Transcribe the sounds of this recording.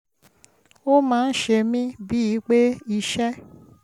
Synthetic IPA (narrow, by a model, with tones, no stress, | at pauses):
o˦mãː˦˧˦n̩˦ʃe˧mĩ˦bi˦i˨˦k͡pe˦i˧ʃɛ˦